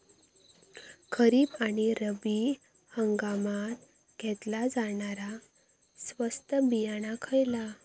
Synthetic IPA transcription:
kʰəɾiːbaɽ̃iɾəbi | həŋɡamat̪ | ɡ̥ʱɛt̪lad͡zaɳaɾa | sʋəst̪əbijaɽ̃akʰəjla

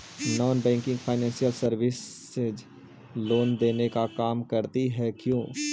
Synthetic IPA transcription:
nɔːnbɛ̃ːŋkɪ̃ŋɡfʰaːɪnɛ̃ːnsijəlsɐɾʋɪs | ed͡ʒ | loːnd̪eːnekakaːmkɐɾt̪iɦɛkjõː

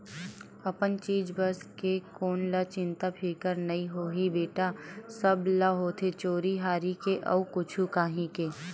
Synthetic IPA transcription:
ɐpənt͡ʃiːd͡ʒbəskekoːnlət͡ʃɪ̃nt̪apʰiːkəɾnɐiɦoːɦibeːʈasəblaɦoːt̪ʰet͡ʃoːɾiɦaːɾikeʔɐ̰ukʊt͡ʃʰukaːɦĩkeː

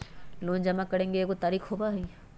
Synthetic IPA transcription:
loːnd͡ʒɐmakɐɾẽːŋɡeeːkot̪aːɾiːkɦoːbaɦiː

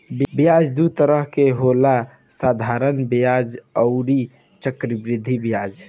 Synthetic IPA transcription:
bbijad͡ʒd̪ut̪əɾəɦkeɦola | sad̪ʱaɾənbjad͡ʒəʊɾi | t͡ʃəkɾibɾid̪ʱːibijad͡ʒ

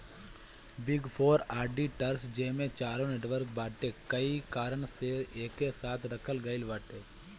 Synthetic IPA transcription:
bɪɡpʰoːɾaːɾɖiʈəɾsd͡ʒeːmẽt͡ʃaːɾõneːʈʋəɾk̚baːʈekɐikaːɾəɳseeːkːesaːt̪ʰɾɐkʰəlɡəɪlʋaːʈeː

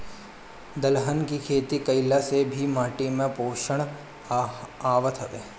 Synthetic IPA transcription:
d̪əlɦənkikʰeːt̪ikəjlasebʱimaːʈimẽpoːʃəɳ̃ | aːʋət̪ʰət̪e

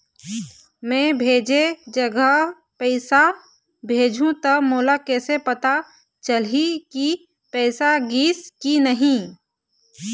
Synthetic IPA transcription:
mɛ̃ːbʱeːd͡ʒed͡ʒəɡə | pɛɪsa | bʱeːd͡ʒʱũt̪əmoːlakɛːsepət̪a | t͡ʃəliki | pɛːsaɡiːskinəɦĩ

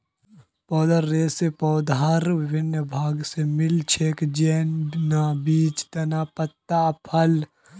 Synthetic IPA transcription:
pɔːd̪aɾːeːsepɔːd̪aɾʋɪbʱɪnjəbʱaːɡsemɪlt͡ʃʰeːkd͡ʒeːnnabiːt͡ʃt̪ɐnapət̪ːapʰəl

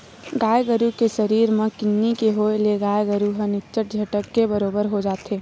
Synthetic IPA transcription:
ɡaːjɡəɾukeʃɐɾiːɾmẽkɪnːikeɦoelieɡaːjɡəɾuɦɐnɪkt͡ʃəʈ̚d͡ʒʱɐʈəkːebɐɾoːbəɾɦod͡ʒaːt̪eː

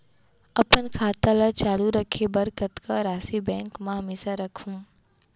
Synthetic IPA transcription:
əpənkʰaːt̪alat͡ʃaːluɾəkʰebəɾkət̪kaɾaːsibɛ̃ːŋkmãɦɐmeːʃaɾəkʰũː

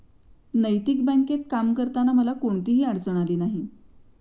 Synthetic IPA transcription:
nəjt̪ikbɛŋket̪̚kamkəɾt̪anaməlakoɳt̪iːɦiːaɽt͡səɽ̃aliːnaɦi

